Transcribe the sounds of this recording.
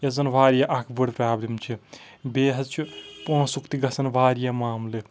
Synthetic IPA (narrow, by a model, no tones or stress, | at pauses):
jezɐnʋaːɾjaʔɐkʰbɨɽpɾaːblimt͡ʃʰi | beːɦɐt͡ʃʰipũsukt̪iɡɐsɐnʋaːɾijamaːmle